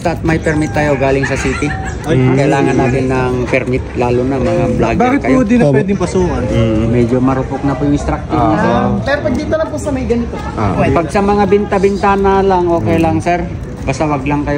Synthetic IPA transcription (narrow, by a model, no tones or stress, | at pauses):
t̪aːt̪̚mɐjpɛɾmɪt̪̚ːɐjo̞ɡaːlɪŋsɐsiːt̪ɪ | kɐjlaːŋɐnːaːt̪ɪnːɐŋpɛɾmɪt̪̚laːlʊnɐmɐŋablaɡbakɪt̪kɐjɛd̪ɪnwɛd̪ɪŋpɐsuːkɐnːmɛd͡ʒomɐɾʊpok̚nɐpʊjʊŋɪst̪ɾɐk̚t̪ɪnɐsopɛɾopɐɡ̚d̪it̪ɐlɐŋpʊsɐmɐjɡɐnɪt̪o̰ | pɐɡ̚sɐmɐŋabɪnt̪ɐbɪnt̪aːnɐlɐŋʔoːkɛjlɐŋsɛɾ | bɐst̪ɐwɐɡlɐŋkɐjo